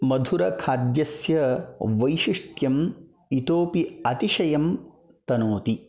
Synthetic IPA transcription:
mɐd̪ʱuɾɐkʰaːd̪jɐsjɐʋɐjʃiʂʈjɐm | it̪oːpiɐt̪iʂɐjɐm | t̪ɐnoːt̪i

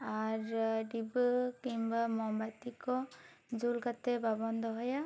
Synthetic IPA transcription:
aɾɖibɯkimbamɔmbajt̪ikɔ | d͡ʒulkat̪ɛbabɔnd̪ɔɦɔja

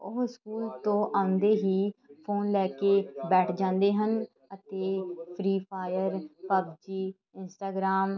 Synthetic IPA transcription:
ʊɦskuːlt̪õːʔãːʊnd̪eːɦiːpʰoːnlɛːkeːbɛːʈʰd͡ʒãːnd̪eːɦən | ət̪eːpʰɾiːpʰaːjəɾpəbd͡ʒiː | ɪnsʈaːɡɾaːm

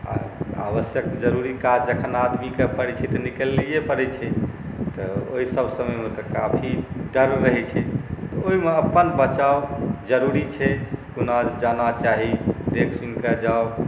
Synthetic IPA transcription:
a̰a̰bəsjəkd͡ʒəɾuɾikad͡ʒəkʰənad̪mikepəɾɛt͡ʃʰɛt̪ɔnikəlːijepəɾɛt͡ʃʰɛ | t̪ɔo̰ɦisəbʱsəməmet̪ɔkapʰiɖəɾɾəɦɛt͡ʃʰɛt̪ɔoɦimeəpːənbət͡ʃaod͡ʒəɾuɾit͡ʃʰɛkunad͡ʒanat͡ʃaɦid̪ekʰsunked͡ʒao

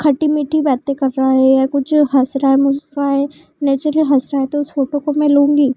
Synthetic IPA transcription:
kʰɐʈimiːʈʰːibɛːt̪ekɐɾːaɦɛjakʊt͡ʃʰɦɐsɾaːemʊsɾaːɦe | nɛːt͡ʃɾəliɦɐsɾaːɦet̪oʊsfoːʈokomẽlũːŋɡiː

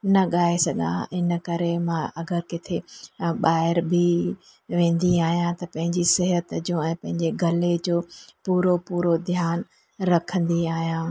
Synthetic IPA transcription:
nɐɠaːesɐɡʱã̰ɪnəkɐɾemãʔɐɡəɾkɪt̪ʰeɓaːɦɪɾbʱi | ʋẽːn̆d̪iaːɦijãt̪ɐpɐ̃ɦɪ̃ɲd͡ʑisɪɦət̪d͡ʑũɛ̃ːpɐ̃ɦɪ̃ɲd͡ʑeɡʱɐled͡ʑoːpuːɾopuːɾod̪ʱjaːn | ɾɐkʰə̃n̆d̪iaːɦijãː

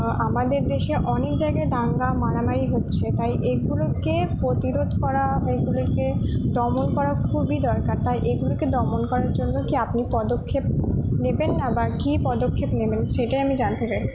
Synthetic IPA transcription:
amad̪eɾd̪eʃeʔɔnek̚d͡ʑajɡajd̪ʱaŋɡamaɾamaɾiɦotːɕʰet̪ajʔeɡulokepɾot̪iɾod̪ʱkɔɾaeɡuloɾked̪ɔmonkɔɾakʰubid̪ɔɾkaɾt̪ajʔeɡuloked̪ɔmonkɔɾaɾd͡ʑonːokiapnipɔd̪okʰːep̚nebenːabakipɔd̪okʰːepnebenʃeʈajamid͡ʑant̪et͡ɕaj

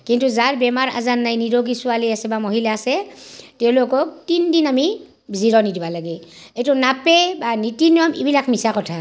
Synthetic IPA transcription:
kintuzaɹbɛmaɹa̰zanːajniɹoɡisʊaliasɛbamoɦilaːsɛtɛʊ̃lokɔk̚tindinami | bʱiziɹɔnidibalaɡeejtʊnapebanitinijɔmḭbilakmisakɔtʰa

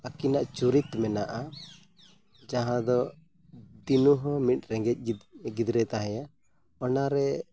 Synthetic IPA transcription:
akinaʔt͡ʃuɾit̪mɛnaʔa | d͡ʒaɦãd̪ɔ | d̪inuɦɔmit̪̚ˀɾɛŋɡɛc̚ɡid̪ɾɛt̪aɦɛja | ɔnaɾɛ

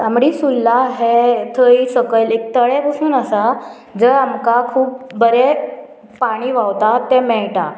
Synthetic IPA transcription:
amɽiːsulːaɦet̪ʰəisəkəlek̚t̪əɭɛpəsuːnəsa | d͡zəɾamkakʰuːp̚bəɾɛ | paɽ̃iːʋawt̪at̪ɛmɛɭʈa

